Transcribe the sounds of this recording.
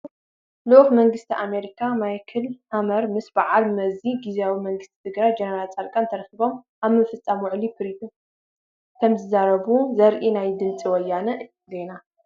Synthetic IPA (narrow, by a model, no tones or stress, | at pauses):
luʔxmɐŋɡɨst̪ʰiʔame̞ɾikʰamajkʰɐlhamɐɾmɨsbɨʕalmɐziɡiziawimɐŋɡɨst̪ʰi̥t̪ʰɨɡɾajd͡ʒɛnɐɾalt͡sʼaɾkʼant̪ʰɐɾɐxiβo̞m | ʔaβmɨfɨt͡sʼːamwɔʕlifʰɨɾit̪ʰu | kʰɐmzɨzaɾɐβuzɐɾʔinajd̪ɨnt͡sʼiwɔjːanɐʔ | zena